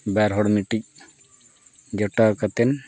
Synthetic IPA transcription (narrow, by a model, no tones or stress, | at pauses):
baɾɦɔɽmiʈic̚ | d͡ʒɔʈakat̪ɛn